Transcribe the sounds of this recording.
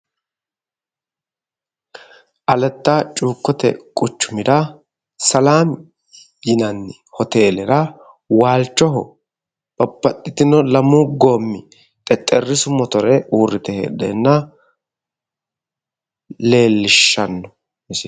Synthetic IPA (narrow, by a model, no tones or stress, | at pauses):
ʔɐlɛt̪ːaːt͡ʃʼuːkːɔt̪ɛ̰kʼʊt͡ʃːʊmɪd̪ɐ | sɐlaːm | jɪnɐnːɪ | hɔt̪e̞ːlɛɾɐ | waːlt͡ʃːɔɦɔ̰ | b̥ɐbːɐt̪ʼːɪt̪ɪnɔlɐmuɡoːmːɪ | t̪ʼɛt̪ʼːɛrːɪsʊmɔt̪ɔɾɛʔuːrːɪt̪ɛhḛːd̪ɛ̰ːnːɐ | le̞ːlːɪʃːɐnːɔ | ɛs